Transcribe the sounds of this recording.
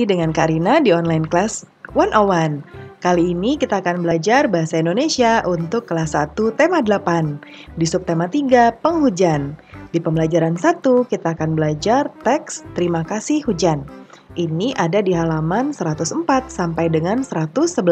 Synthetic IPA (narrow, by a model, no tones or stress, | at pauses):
idəŋankaɾinadiɔnlajnklas | wanʔowankaliːnikit̪aːkanbəlad͡ʒarbaɦasaindonesiaʔunt̪ʊkːəlasat̪ut̪emadəlapandisʊp̚t̪emat̪iɡapəŋɦud͡ʒandipəmbəlad͡ʒaɾansat̪ukit̪aːkanbəlad͡ʒart̪ɛkst̪əɾimakasɪhhud͡ʒan | ʔiniʔadadiɦalamansəɾat̪usəmpat̪̚sampajdəŋansəɾat̪ʊsːəbə